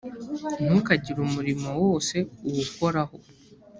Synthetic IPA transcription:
n̥ukaɟiɾumuɾimowo̞ːse̞uwuko̞ɾaho̞

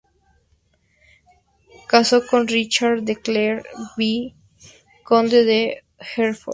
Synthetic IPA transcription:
kasokonrit͡ʃaɾd̪ekleɾbi | kond̪eðe | xeɾfo

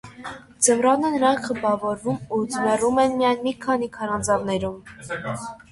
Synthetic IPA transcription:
d͡zəmrɑnənəɾɑŋkʰχəbɑvɔɾvumud͡zmɛrumɛnmijɑjnmikʰɑnikʰɑɾɑnd͡zɑvnɛɾum

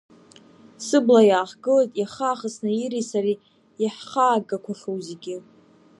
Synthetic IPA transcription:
sɨblajaːχɡɨlatʼjaχaːχəsnɨiɾisari | jaħχaːɡʼakʷʰaχowzeɡʲɪ

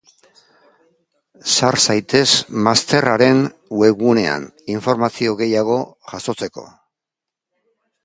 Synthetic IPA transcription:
saɾsajt̪e̞smast̪e̞raɾe̞nwe̞ɣune̞a̰niɱfo̞ɾmasio̞ɣe̞jaɣ̞o̞ | ʝaso̞t͡se̞ko̞̰

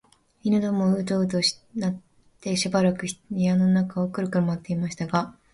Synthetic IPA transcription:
inɯd̪omoɯ̟t̪oːɯt̪oɕi̥nat̪ː | e̞ɕibaɾakɯ̟çi̥t̪oɲ̟iano̞nakaokɯ̟ɾɯ̟kɯ̟ɾɯmat̪ːe̞imaɕi̥t̪aɡa

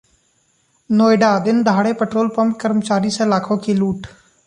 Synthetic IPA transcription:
noːɪɖaːd̪ɪnd̪ʱaːɽeːpəʈɾoːlpəmpkəɾmət͡ʃaːɾiːsãɪlaːkʰõːkʰiːluːʈ

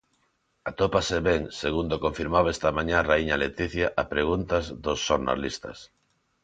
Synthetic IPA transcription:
at̪opaseβeŋseɣund̪okõɱfiɾmaβɛst̪ɐmãɲãraiɲalet̪iθjaʔapɾeɣ̞unt̪azðosːoɾna̰list̪ɐ̰s

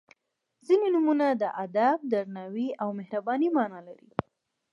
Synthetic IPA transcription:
zinenumunad̪əʔad̪ab̚d̪aɾnawiawmɪhɾabɑnimɑnɑlaɾḭ

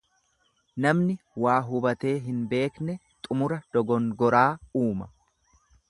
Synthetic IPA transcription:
nɐmnɪwaːɦʊbɐt̪e̞ːɦɪnbe̞ːknɛt̪ʼʊmʊɾɐd̪̥ɔɡɔŋɡɔɾaːuːmɐ

